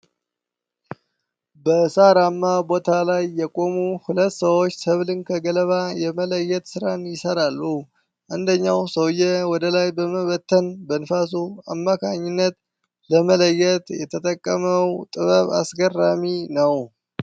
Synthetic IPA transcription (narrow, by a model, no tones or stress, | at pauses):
bəsaɾamːabo̞t̪ʰalajːɛkʼo̞muhulət̪ːsəwo̞t͡ʃːsəβlɨnkʰəɡələβajɛmələjːɛt̪sɨɾanjɪsəɾalːu | ʔand̪əɲːawsəwjɛwɔd̪əlajbəməβət̪ʰːənbənfas̬ua̰mːakʰaɲːɪnːət̪ | ləmələjːɛt̪jɛt̪ʰət̪ʼəkʼːəməwt̪ʼɨβəβa̰sɡərːaminəw